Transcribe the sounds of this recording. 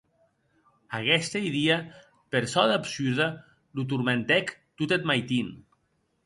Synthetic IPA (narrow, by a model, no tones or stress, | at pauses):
aɣɛst̪ejðia | peɾsɔðapsyɾða | lut̪̬uɾment̪ɛkt̪ut̪et̪majt̪in